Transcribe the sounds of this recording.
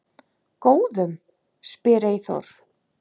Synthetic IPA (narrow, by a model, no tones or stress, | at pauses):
koːwðʏm | spɪːɾaiθo̰ɾ̥